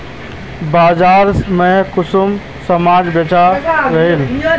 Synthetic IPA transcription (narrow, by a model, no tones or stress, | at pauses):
baːd͡ʒaːɾmẽkʊsum | səmaːd͡ʒbet͡ʃaɾɐɦil